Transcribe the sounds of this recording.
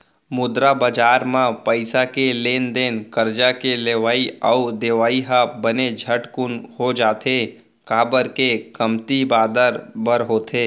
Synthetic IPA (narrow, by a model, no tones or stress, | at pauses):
mʊd̪ɾabəd͡ʒaːɾmãpəɪsakeleːnd̪eːnkəɾd͡ʒakeleːʋaːiaud̪eːʋaːiɦabəned͡ʒʱəʈkʊnhod͡ʒaːt̪ʰe | kaːbəɾkekəmt̪ibaːd̪əɾbəɾɦoːt̪ʰeː